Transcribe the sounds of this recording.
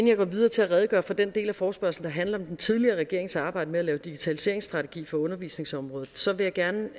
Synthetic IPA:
enjɑ̈ɡ̥ɒ̰ːʋið̞ˠɐːt͡sʰe̝æʁɛðˠɡ̥ɶ̰ɐfɒ̽d̥end̥e̝̰ːlæfɒːsb̥ɶɐsl̩d̥ɑ̈ɦænlɐɒ̽md̥ent͡sʰið̞ˠliɐːʁɛɡ̥e̝ɐ̰eŋsɑ̈ːb̥ɑ̈ɪ̰d̥əmeælɛːʊd̥iɡ̥it͡sʰælise̝̰ɐeŋsːd̥ʁɑ̈t͡sʰe̝ɡ̥ḭːfɒ̽ɔ̽nɐʋḭːsne̝ŋsɒ̽mʁɔ̽ːð̩ˠsɒ̽ʋe̝jɑ̈ɡ̥æɐnə

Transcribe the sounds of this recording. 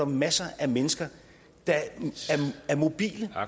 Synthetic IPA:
ɒmːæsɐʔæmenəsɡ̥ɐ | d̥ɑ̈æɐæɐmo̝b̥ḭːlə

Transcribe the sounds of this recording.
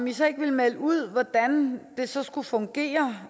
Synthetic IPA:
misɒ̽e̝ɡ̥ʋilmeləuð̞̰ˠʋɒd̥ænd̥e̝sɒ̽sɡ̥ufɔ̽ŋɡ̥e̝̰ːɐ

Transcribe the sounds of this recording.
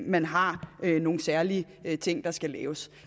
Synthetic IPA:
mænɦɑ̈øno̝ːn̩sæɐliə | t͡sʰe̝ŋ̰d̥ɑ̈sɡ̥ælɛ̰ːʊs

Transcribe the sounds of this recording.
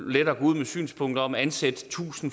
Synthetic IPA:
led̥ɐːɡ̥ɔuð̰ˠmesy̰ːnspʰɔ̽ŋ̰d̥ɐɒ̽mænsed̥t͡sʰṵːsn̩

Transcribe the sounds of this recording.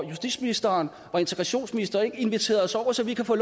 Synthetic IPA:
jusd̥ḭ̥ːsminisd̥ɐn | ʋɑ̈e̝nt͡sʰe̥ɡʁɑ̈ɕo̝̰ːnsminisd̥ɐe̝ɡ̥əe̝nʋit͡sʰe̝̰ːɐðˠsɒʊ̰ɐsɒ̽ʋikʰæfɔːl

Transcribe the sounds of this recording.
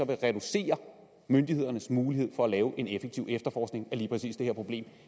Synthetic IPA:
ɒ̽ʋe̝ʁɛd̥use̝̰ːɐ | mønd̥ihe̝ð̞̰ˠɐnəsmuːlihe̝ð̞̰ˠfɒ̽ælɛːʊʔe̝nefeɡ̥̚t͡sʰiʊ̰efd̥ɐfɒːsɡ̥ne̝ŋæliːpʰʁɛsḭːsd̥e̝heɐpʰʁo̝b̥le̝̰ːm

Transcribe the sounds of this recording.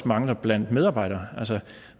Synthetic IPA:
mɑ̈ŋlɐb̥læn̰d̥meðˠɑ̈ːb̥ɑ̈ɪɾ̥ɐːʔælsə

